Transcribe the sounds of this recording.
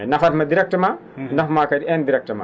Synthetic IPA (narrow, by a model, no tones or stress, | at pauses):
nɐfʰɐt̪mɐdiɾek̚ʈɐma | nɐfmakɐɾiendiɾek̚ʈɐma̰